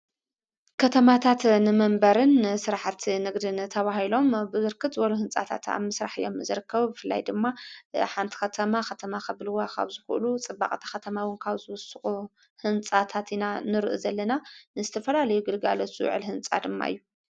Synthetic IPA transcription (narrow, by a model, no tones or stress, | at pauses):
kʰɐt̪ʰɐmat̪ʰat̪nɨmɐmbɐɾɨnsɨɾaħat̪nɨɡd̪int̪ʰɐβahilo̞mbɨzɨɾkʰɨt̪zɨwɐluhɨnt͡sʼa̰t̪ʰa̰t̪a̰βmɨsɾa̰ħɨjo̞̰mzɨɾɨkʰːɐβubɨfɨlːa̰jd̪ɨmːaħant̪ʰi̥xɐt̪ʰɐmaxɐt̪ʰɐmakʰɐβlɨwakʰa̰βzɨxʔlut͡sʼɨbːa̰χʼt̪ʰḁxɐt̪ʰɐmawɨnkʰaβzɨwʊsɨxʼu | hɨnt͡sʼat̪ʰat̪inanɨɾɨʔṵzɐlːɐnanɨzɨt̪ʰɐfɐlalɐjuɡɨlɡalɐsṵʕɨ̰lhɨnt͡sʼa̰d̪ɨmːa̰ʔɨ̰jːu